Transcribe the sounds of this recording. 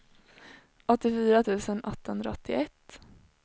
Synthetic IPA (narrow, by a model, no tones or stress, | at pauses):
ɔt̪ːɪfyːɾat̪ʰʉ̟ːsənɔt̪ːahɵnd̪ɾa̰ɔt̪ːɪɛt̪ː